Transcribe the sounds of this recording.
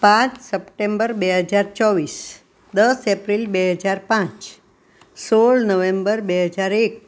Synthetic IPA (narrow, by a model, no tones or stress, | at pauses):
pãt͡ʃsəpʈẽmbəɾbeɦəd͡ʒaɾt͡ʃɔʋis | d̪əsepɾilbeɦəd͡ʒaɾpãt͡ʃ | soɭnəʋẽmbəɾbeɦəd͡ʒaɾek̚